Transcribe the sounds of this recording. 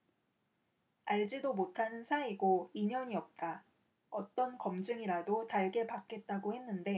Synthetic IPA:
aɭd͡ʑidomotʰanɯnsʰaiɡoiɲʌɲiʌp̚t͈a | ʌt͈ʌnkʌmd͡ʑɯŋiɾadotaɭɡe̞pak͈e̞t̚t͈aɡohe̞nːɯnde̞

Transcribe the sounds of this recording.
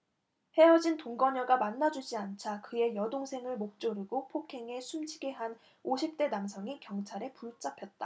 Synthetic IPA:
he̞ʌd͡ʑintoŋɡʌɲʌɡamanːad͡ʑud͡ʑiant͡ɕʰakɯe̞jʌdoŋsʰe̞ŋɯɭmok̚t͡ɕ͈oɾɯɡopʰokʰe̞ŋesʰumd͡ʑiɡe̞ɦan | oɕʰip̚t͈e̞namsʰʌŋikjʌŋt͡ɕʰaɾe̞puɭt͡ɕ͈apʰjʌt̚t͈a

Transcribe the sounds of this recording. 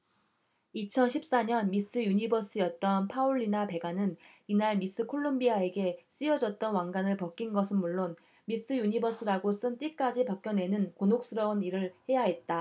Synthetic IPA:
it͡ɕʰʌnɕʰip̚s͈aɲʌnmis͈ɯjuɲibʌs͈ɯjʌt̚t͈ʌnpʰauɭːinape̞ɡanɯninaɭmis͈ɯkʰoɭːombiae̞ɡe̞s͈ijʌd͡ʑʌt̚t͈ʌnwaŋɡanɯɭpʌk͈inɡʌsʰɯnmuɭːon | mis͈ʰɯjuɲibʌs͈ʰɯɾaɡos͈ɯnt͈ik͈ad͡ʑipak͈̚jʌnwe̞nɯnkonok̚s͈ɯɾʌuniɾɯɭhe̞jaɦe̞t̚t͈a

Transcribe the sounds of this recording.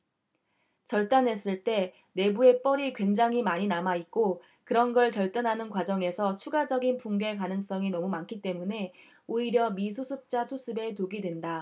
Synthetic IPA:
t͡ɕʌɭt͈anɦe̞s͈ɯɭt͈e̞ | ne̞bue̞p͈ʌɾikwe̞nd͡ʑaŋimaɲinamait̚k͈o | kɯɾʌnɡʌɭkjʌɭt͈anɦanɯnkwad͡ʑʌŋe̞sʰʌt͡ɕʰuɡad͡ʑʌɡinpuŋɡe̞kanɯŋs͈ʌŋinʌmumankʰit͈e̞mune̞ | oiɾjʌmis̬ʰosʰɯp̚t͡ɕ͈asʰos͈ʰɯbe̞toɡidwe̞nda

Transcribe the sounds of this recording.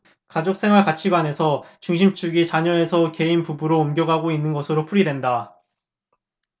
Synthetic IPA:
kad͡ʑok̚s͈ʰe̞ŋwaɭkat͡ɕʰiɡwane̞sʰʌt͡ɕuŋɕ̬ʰimt͡ɕ͈ʰuɡit͡ɕaɲʌe̞sʰʌke̞inpubuɾoːmɡjʌɡaɡoinːɯnɡʌsʰɯɾopʰuɾidwe̞nda

